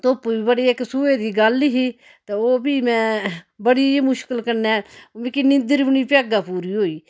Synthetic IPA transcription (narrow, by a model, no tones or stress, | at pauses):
t̪oːpːiːbəɽeːɪksueːd̪iːɡəlɦiː | t̪eːoːbiːmɛ̃ːbəɽiːmʊʃkəlkəɾnɛːmẽkinɪnd̪əɾbɪniːpjaːɡaːpuːɾiːɦoːiː